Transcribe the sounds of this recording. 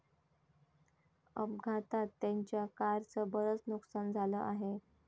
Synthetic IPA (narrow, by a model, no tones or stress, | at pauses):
ə̰b̚ɡʱat̪at̪ːaɲt͡ɕjakaɾt͡səbəɾət͡snuksand͡zʱaləʔaɦe